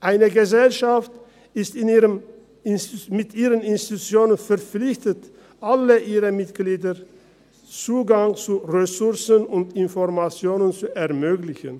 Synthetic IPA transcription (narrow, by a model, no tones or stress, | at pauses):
ʔaɪnəɡəzɛlʃaft | ɪstɪniːʁəm | mɪtʔiːʁənɪnsti̥tut͡sjoːnənfɛɐp͡flɪçtət | ʔaləʔiːʁəmɪtɡ̥liːdə | t͡suːɡaŋt͡suʁesʊʁsənʊntɪnfɔʁmat͡sjoːnənt͡suɛɐmøːɡlɪçən